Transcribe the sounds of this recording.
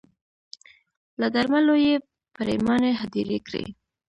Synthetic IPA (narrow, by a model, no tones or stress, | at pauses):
lad̪aɾmaloje | paɾemɑneɦad̪iɾḛkɾḛ